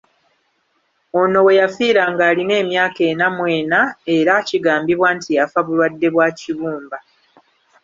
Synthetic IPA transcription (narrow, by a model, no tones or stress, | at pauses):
o̞no̞we̞jafiːɾaŋɡaːline̞ːmjaːke̞ːnamwe̞ːnae̞ɾaciɡaːmbiβwaːntijafaβulwadːe̞βwaːciβuːmba